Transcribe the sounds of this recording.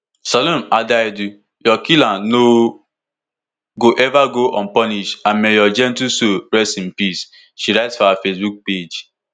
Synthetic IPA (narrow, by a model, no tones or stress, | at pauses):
salɔmadajdu | jɔkilãno | ɡoʔɛvaɡoʔɔ̃n̩pɔniʃãnmejɔd͡ʒɛ̃ntusoɾɛstim̩pis | ʃiɾaɪtsfɔafesbuk̚ped͡ʒ